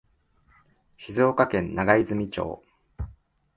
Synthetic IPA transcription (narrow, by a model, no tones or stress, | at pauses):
çizɨokakẽ̞nnaɡaizɨmʲit͡ɕo̞̰ː